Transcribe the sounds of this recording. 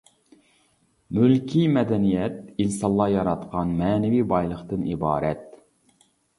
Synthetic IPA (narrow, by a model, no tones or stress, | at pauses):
mylkʲʰimɛd̪ɛnijɛt̪̚insɑlˠːɑjɑɾɑt̪qɑnmɛːnɛvibɑjlˠəχt̪ɨnibɑ̰ːɾɛt̪